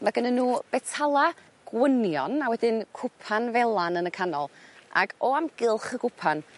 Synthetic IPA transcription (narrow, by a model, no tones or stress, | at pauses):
maɡənənːuːb̥ɛtʰalˠa | ɡ̥wənjɔnawɛdɪnkʰʊpʰanvɛlˠanənəkʰanɔlˠa̰ɡɔamɡ̥ɪlˠχəɡʊpʰan